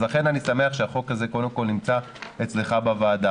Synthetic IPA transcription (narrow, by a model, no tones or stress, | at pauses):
laχe̞nanisame̞aχʃeaχo̞kaze̞kod̪e̞mkolnimt͡sa | et͡sleχabavaːda